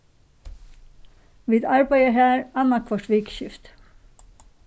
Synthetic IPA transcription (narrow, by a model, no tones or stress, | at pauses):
ʋiːd̪ɑɹbæɪəhæːɹɑnɑkʰʋɔʈʋɪːkʃʏft̪